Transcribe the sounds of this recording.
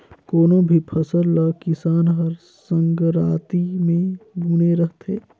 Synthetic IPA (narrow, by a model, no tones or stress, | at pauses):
koːnõbʱipʰəsəɾləkɪsaːnɦəɾ | sə̃ŋɡɾaːt̪imẽɡuːneɾəɦt̪ḛː